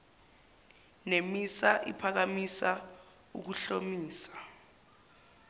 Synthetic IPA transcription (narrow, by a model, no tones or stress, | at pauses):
nemisaʔḭpʰak̬amisa | ṵk̬uɬomiːsḁ